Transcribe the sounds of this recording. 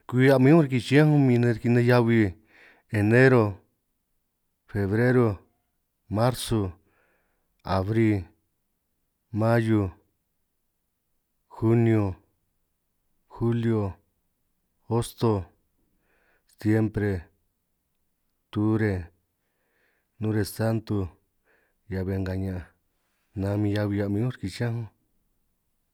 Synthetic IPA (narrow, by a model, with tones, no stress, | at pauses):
kʷi˧a˧mĩ˦õ˦ɾi˧ki˧t͡ʃi˦ã˦ũ˦mĩ˧nẽ˧ɾki˧nẽ˧ja˦βi˧ | e˨nẽ˦ɾo˧ | fe˨βɾe˦ɾo˧ | mã˦ɾso˧ | a˨βɾi˦ | mã˦jo˧ | xu˦njo˧ | xu˦ljo˧ | o˦st̪o˧ | sje˦mpɾe˧ | t̪u˦ɾe˧ | nũ˦ɾe˧sa˦nt̪u˧ | ja˧βe˧ŋɡa˧ɲã˨ʔa˧ | nã˧˦˧mĩ˧ja˧βi˧ja˧mĩ˧ũ˦ɾki˧t͡ʃã˦ɦõ˦